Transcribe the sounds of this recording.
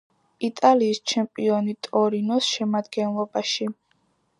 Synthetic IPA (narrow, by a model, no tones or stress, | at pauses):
it̪ʼaliːst͡ʃʰɛmpʼiɔnit̪ʼɔɾinɔsʃɛmad̪ɡɛnlˠɔbaʃi